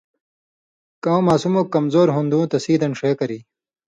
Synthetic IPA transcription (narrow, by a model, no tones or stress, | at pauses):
kɐ̃w̃maːsumokːɐmzoːɾɦũnd̪ũːt̪ɐsiːd̪ɐnʂeːkɐɾiː